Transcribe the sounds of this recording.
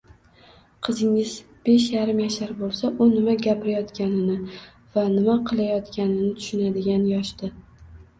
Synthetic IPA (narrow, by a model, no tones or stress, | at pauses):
qʰɨzɪŋɪz | b̥e̞ʃjaɾɪmjaʃaɾbolˠsaʔʊnɪmaɡʲapɪɾajɒt̪kʲanɪnɪ | vanɪmaqʰɨlˠajɒt̪kʲanɪnɪt̪ʰʊ̥ʃɪnad̪ɪɡʲanjɒʃt̪ɪ